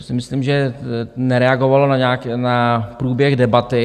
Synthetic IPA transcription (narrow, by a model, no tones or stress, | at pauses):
sɪmɪslimʒɛnɛɾɛaɡovalonaɲaːknapɾuːbjɛɣdɛbat̪ɪ